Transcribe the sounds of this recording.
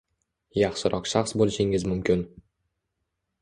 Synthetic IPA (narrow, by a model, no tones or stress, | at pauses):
jɑχʃɪɾʔɒqʃaχsbolˠɪʃɪŋɪzmʊmkʲʰɪn